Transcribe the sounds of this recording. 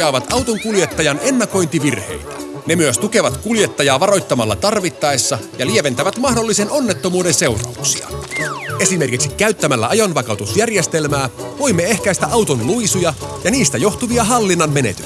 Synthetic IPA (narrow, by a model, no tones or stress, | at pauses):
ɑːʋɑt̪ɑwt̪oŋkulje̞t̪ːɑjɑne̞nːɑko̞jnt̪iʋirhe̞̰jt̪æ̥ | ne̞myøst̪uke̞ʋɑt̪kuljet̪ːɑjɑːʋɑɾo̞jt̪ːɑmɑlːɑ̰t̪ɑrʋit̪ːɑesːɑjɑlieʋe̞nt̪æʋæt̪mɑhdo̞lːise̞nʔo̞nːe̞t̪ːo̞muːde̞nse̞wrɑ̰uksiɑ̰e̞sime̞rkiksikːæyt̪ːæmælːæ̰ʔɑjonʋɑkɑwt̪usjærjest̪e̞lmæːʋo̞jmːee̞hkæjst̪æʔɑwt̪o̞nlujsujɑjɑniːst̪æjo̞xt̪uʋiɑɦɑlːinːɑnme̞nḛt̪y